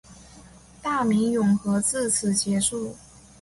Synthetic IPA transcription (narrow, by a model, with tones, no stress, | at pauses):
t̪a˥˩mi˧˥ŋjʊ˨˩ŋxɤ˧˥t͡sɹ̩˥˩t͡sʰɹ̩˨˩t͡ɕjɛ˧˥ʂu˥˩